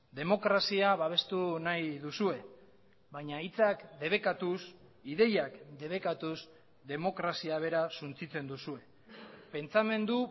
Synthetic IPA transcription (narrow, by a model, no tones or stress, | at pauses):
d̪e̞mo̞kɾasiaβaβ̞e̞st̪unajðusue̞ | βajɲait͡sakd̪e̞βe̞kat̪usiðe̞jakd̪e̞β̞e̞kat̪us | d̪e̞mo̞kɾasiaβ̞e̞ɾasunt͡sit͡se̞nd̪usue̞ | pe̞nt͡same̞nd̪u